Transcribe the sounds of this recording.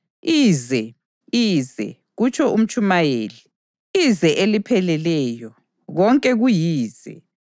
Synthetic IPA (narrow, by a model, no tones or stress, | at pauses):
iːzɛ | izɛ̰ | ɣut͡ʃʰɔʔum̩t͡ʃʰʼumajeːli | izɛʔelipʰɛlɛlɛːjɔ | ɣɔŋkʼɛɣujiːz̥ɛ̰